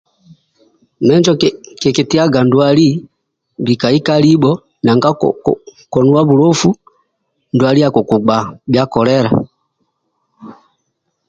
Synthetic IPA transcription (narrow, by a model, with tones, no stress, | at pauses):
mɛ˦ɲd͡ʒɔ˦kɛ˨kɛ˨ti˦a˦ɡa˨ndu˨a˨li˦ | bi˨ka˨i˦ka˦li˦ɓɔ˦ | na˨ŋɡa˦ | kɔ˨nu˦wa˦βu˨ɾɔ˦fu˦ | ndwa˨li˦ja˨kɔ˨ku˨ɡ͡ba˨bja˦kɔ˨lɛɾa̰˨